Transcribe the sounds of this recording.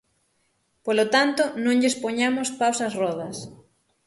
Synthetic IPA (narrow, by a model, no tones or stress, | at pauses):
polot̪ant̪onõŋʎespoɲamospawsɐsrɔðɐs